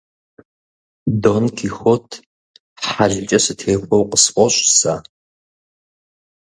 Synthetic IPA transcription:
donkʰiːxʷɔtʰ | ħaɮt͡ʃʼɐsɨtʰeːxʷɔwqəspʷʼɔɕʼsaː

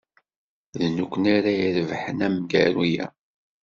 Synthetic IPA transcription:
ðnukʷːənaɾaiɾvħənæmɡæɾijæ̰

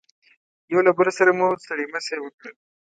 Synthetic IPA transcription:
jawlabaɾosaɾamusaɽimasewəkɽəl

